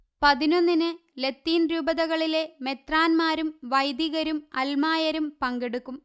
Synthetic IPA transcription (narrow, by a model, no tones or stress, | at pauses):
pɐðino̞nːinɨle̞t̪ːiːnɾuːbɐðɐɣɐɭile̞me̞t̪raːnmaːɾumʋɐjd̪iɣɐɾumɐlmaːjɐɾumpɐŋɡeɽukːum